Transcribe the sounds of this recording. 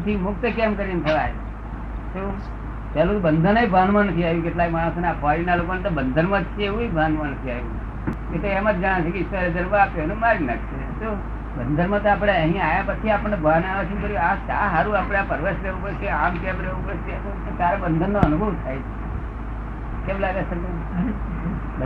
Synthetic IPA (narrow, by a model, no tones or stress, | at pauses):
t̪ʰimʊk̚t̪əkɛmkəɾint̪ʰəʋaj | t̪o | t̪alũbənd̪ʱənebʱanmãnət̪ʰiaɦjũkeʈlaimaɽ̃õsonakʰʋaɾinalokonet̪obənd̪ʱəɾmãt͡ʃʰeeʋũebʱanmãnət̪ʰiajṵ̃ | et̪oɛmat̪d͡ʒaɽ̃t͡ʃʰekeɪsʋaed͡ʒənʋaːpenũmaɾina̰ʈʰt͡ʃʰe | t̪o | bənd̪ʱəɾmãt̪oap̬ɽeeɦijãajapət͡ʃʰiapəɳːebʱanaʋet͡ʃʰikəɾuasaɦaɾũapɽẽapəɾʋesɾeʋũpəɾt͡ʃeamkebɾeʋupəɾset̪oot̪jaɾebənd̪ʱənːoənubʱəʋt̪ʰajt͡ʃʰe̥ | keblaɾesəne